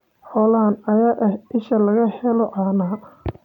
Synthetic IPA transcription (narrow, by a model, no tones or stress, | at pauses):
ħɔlaːnɐjaːʔɐhɪʃɐlɐɣɐhɛlɔʔɑːnaː